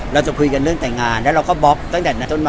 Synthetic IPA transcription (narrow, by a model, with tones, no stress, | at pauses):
ɾa˧wt͡ɕa˨˩kʰu˧jka˧nɾɯ˥˩əŋt̪ɛː˨˩ŋaː˧nlɛː˨˦˥ɾa˧wkɔː˧˥˩bɔ˦˥k̚t̪a˦˥˩ŋt̪ʰɛ˨˩na˨˦˩t̪o˥˩nma˧